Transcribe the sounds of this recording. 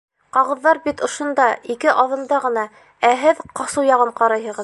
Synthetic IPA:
qɑʁɤ̆ðːɑɾbit̪ŏʃŏnd̪ɑikɘʔɑðɤ̆nd̪ɑʁɤ̆nɑ | æɦɘðqɑsɤwjɑʁɤɴqɑɾɑjɦɤ̆ʁɤ̆

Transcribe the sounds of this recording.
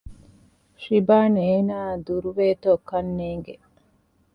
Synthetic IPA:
ʃibaːneːnaːd̪uɾuʋeːt̪oːkɐnːeːŋɡe

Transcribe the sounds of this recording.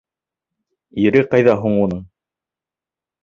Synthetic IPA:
iɾɘqɑjðɑɦuɴunɤɴ

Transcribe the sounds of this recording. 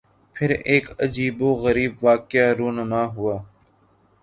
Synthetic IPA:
pʰɪɾeːkəd͡ʒiːboːɣəɾiːbʋaːkjaːɾoːnəmaːɦʊaː

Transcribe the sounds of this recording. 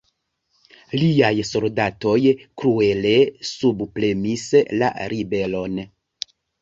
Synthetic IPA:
liajso̞ldato̞jkɾue̞le̞subple̞misla̰ɾibe̞lo̞n

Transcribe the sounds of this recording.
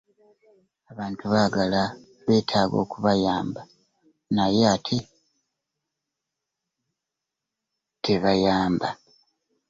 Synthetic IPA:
aβaːntuβaːɡala | βe̞ːtʰaːɡo̞̰ːkuβajaːmba | najeatʰi | tʰeβajaːmba̰

